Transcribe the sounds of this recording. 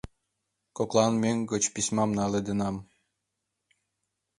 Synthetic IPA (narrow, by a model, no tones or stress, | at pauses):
koklˠɑnmeŋʲɡɤ̆t͡ɕpisʲmɑmnɑled̪ĕnɑm